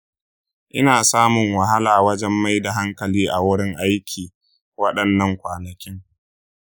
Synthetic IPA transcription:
ʔɪ˦naː˨saː˦mʊ˨ŋwa˨ɦa˦laː˨wɐ˦d͡ʒɛ˦mːa˦jda˨ɦa˦ŋkɐ˨liː˦ʔa˨wʊ˦ɽɪ˦ŋʔa˦jkʲʰiː˨ | wɐ˦ɗɐ˨nːɐ˦ŋkʷaː˨nɐ˨kʲɪ˦ŋ

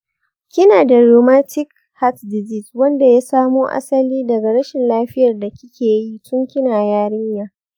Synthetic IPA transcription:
kʲɪ˦naː˨da˨ɾoː˨maː˦tɪ˦k̚ | ha˦tdɪ˨zi˦˨swɐ˦nda˨jaː˦saː˦moː˦ʔa̰˦sɐ˦liː˦dɐ˨ɡa˨ɾɐ˦ʃɪ˨nlaː˦ɸɪ˦jɐ˨rda˨kʲɪ˦kʲeː˨ji˦tʊ˦ŋkʲɪ˦naː˨jaː˦ɽɪ˦ɲjaː˦

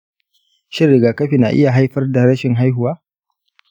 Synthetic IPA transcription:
ʃɪ˦rːɪ˨ɡaː˨kɐ˦ɸi˨na̰˨ʔɪ˦ja˨ɦa˦jɸɐ˦rda˨ɾɐ˦ʃɪ˨ŋɦa˦jɦʊ˨waː˦

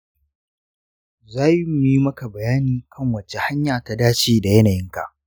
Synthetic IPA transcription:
zaː˦ji˦mʊ˨ji˦mɐ˦ka˨bɐ˨jaː˦niː˨kʰɐ˦˨ŋwɐ˨t͡ʃe˦ha˦ɲjaː˨ta˨daː˦t͡ʃiː˦da˨jɐ˦naː˨jɪ˦ŋka̰˨ʔ

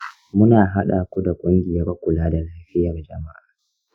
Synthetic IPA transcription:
mʊ˦naː˨ɦa˦ɗaː˨kʷu˦da˨kʷʼʊ˦ŋɡʲɪ˨jɐ˦ɾkʷʊ˨laː˦da˨laː˦ɸɪ˦jɐ˨rd͡ʒɐ˨ma˦ʔaː˨

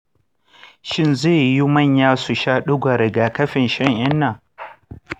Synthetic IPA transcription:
ʃɪ˦nzeː˦˨ji˦mɐ˦˨ɲjaː˦su˨ʃaː˦ɗʊ˦ɡʷa˨ɾɐ˨ɡaː˨kɐ˦ɸɪ˨nʃɛ˦˨ŋʔɪ˦nːa˨

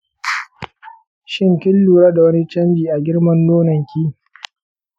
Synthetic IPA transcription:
ʃɪ˦ŋkʲɪ˦lːuː˨ɾaː˦da˨wɐ˦ni˦t͡ʃɐ˦mbiː˨ʔa˨ɡʲɪ˦ɽmɐ˦nːoː˦nɐ˨ŋkʲiː˦

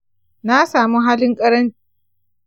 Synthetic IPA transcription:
na˦saː˨mu˦ɦaː˦lɪ˦ŋkʼɐ˦ɽɐ˦n˦

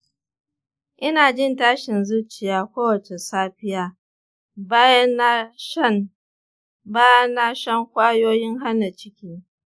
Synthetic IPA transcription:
ʔɪ˦naː˨d͡ʒɪ˦˨ntaː˦ʃɪ˨nzu˦t͡ʃɪ˨jaː˨˦kʷoː˦wɐ˨t͡ʃe˨saː˦ɸɪ˦jaː˦ | ba˦j | baː˦jɐ˦nːa˦ʃɐ˦ŋkʷaː˦joː˦jɪ˦ŋɦa˦nːa˨t͡ʃɪ˦kʲiː˦

